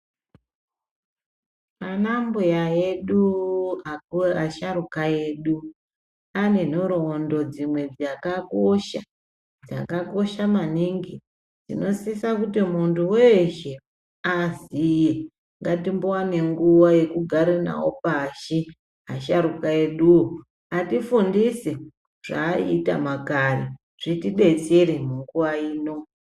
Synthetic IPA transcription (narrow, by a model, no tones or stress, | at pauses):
anambujaeɗuaaʃaɾukae̞ːɗu | ane̞n̤oɾondo̞d͡zimwe̞d͡zakakoʃa | d͡za̰kako̞ʃamaniŋɡi | d͡zḭno̞sisakutimuntʰuweʃe | azije | ŋɡatimbowane̞ŋɡuwaje̞kuɡʱaɾena̰wo̰paʃi | ɦaʃaɾukaeɗuwo | atifundise | ʐ̥a̰ːḭta̰makari | ʐ̥itiɓe̞t͡seɾemuŋɡuʋaiːno̞